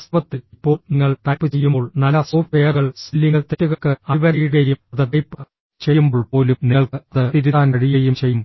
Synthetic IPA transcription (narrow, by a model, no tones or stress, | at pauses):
sʋɐt̪ːɨipːo̞ːɭniŋːɐɭʈ̪ɐjpːɨt͡ɕejːumoːɭnɐlːɐsoːʈejɐrɣɐɭsilːiŋɡɐɭt̪etːuɣɐkːɨɐʋɐɾiːɣɐɾjumɐðɨnɐjpːɨ | t͡ɕejːumboːɭpo̞ːlumniɐɭkɨɐðɨt̪iɾuaːnɐɽijɐjumt͡ɕejːum